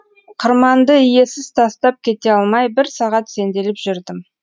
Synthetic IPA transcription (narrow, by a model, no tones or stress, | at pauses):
qʰəɾmɑnd̪əije̞sɪzt̪ʰɑst̪ɑp̚kʲʰe̞t̪e̞ɑlˠmɑjbɪɾsɑʁɑt̪se̞nd̪e̞lɪpʒʏɾd̪ɪm